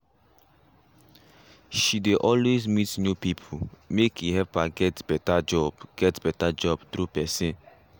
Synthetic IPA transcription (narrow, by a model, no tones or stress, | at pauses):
ʃideʔɔlwezmitnjupipʰumekʰiɦɛvpaɡɛtbɛtad͡ʒɔbɡ̥ɛtbɛtad͡ʒɔbtɾupɛsẽn